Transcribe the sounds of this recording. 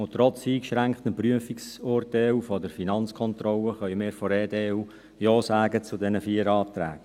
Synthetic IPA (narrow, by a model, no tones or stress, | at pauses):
ʊt̪ɾɔt͡siːkʃɾæŋkχtənpryəfiksorteːufɔdəɾfinɑnt͡skʰɔnt̪rɔləχœʏmɪːɾfɔɾeːdeːu | jɔːsæːɡət͡sʊdɛnəfiːəɾɑːt̪ɾæ̰ːɡ̥